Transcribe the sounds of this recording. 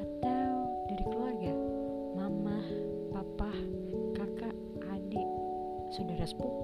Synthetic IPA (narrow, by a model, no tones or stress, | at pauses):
at̪awdaɾikəluarɡa | mamah | papah | kakaʔː | dɪʔ | sudaɾaspu